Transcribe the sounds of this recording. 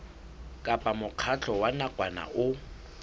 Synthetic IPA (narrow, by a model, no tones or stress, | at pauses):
kʼapʼamʊq͡χʰat͡ɬʰʼɔwanakʼwana̰ʔʊ